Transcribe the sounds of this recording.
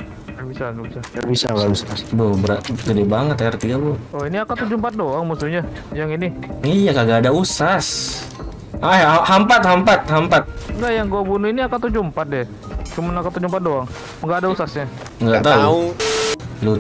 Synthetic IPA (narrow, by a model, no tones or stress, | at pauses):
jabisaŋɡabisaabisa̰ɡausasbobəɾaɡədɛbaŋət̪aart̪iɡabʊɔiniakat̪ud͡ʒumpat̪̚doaŋmusuɲa | jaŋiniijakaɡaːdausas | ajaahampat̪̚hampat̪̚hampat̪̚ŋɡaʔjaŋɡuabunuiniakat̪ud͡ʒumpat̪̚dɛ | t͡ʃumanakat̪ud͡ʒumpat̪̚doaŋ | ŋɡaʔːdausasɲa | ŋɡat̪auu | lu